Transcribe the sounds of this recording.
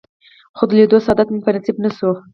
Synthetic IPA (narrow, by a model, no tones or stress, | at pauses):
χʊd̪led̪osɑd̪at̪mʊŋpɾɪnsɪpnəsu